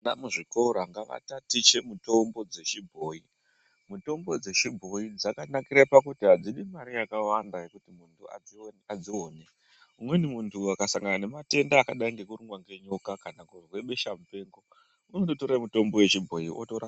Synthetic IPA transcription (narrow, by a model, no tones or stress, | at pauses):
namuʐiko̞ɾaŋɡaʋa̰tatit͡ʃe̞muto̞mbo̞d͡ze̞t͡ʃibʱo̞ːi | muto̞mbo̞d͡ze̞ʃibʱo̞id͡zakanakiɾapakutiɦad͡ziɗimaɾijakawandaje̞kutimuntʰua̰ad͡ziwo̞ːne | umwenimuntʰuakasaŋɡanane̞mate̞ndaːkaɗaiŋɡe̞kuruŋɡwaŋɡe̞ɲo̞kakanakurwe̞ɓe̞ʃamupe̞ːŋɡo̞ | uno̞toto̞ɾamito̞mbo̞we̞t͡ʃibʱo̞iʔo̰toɾa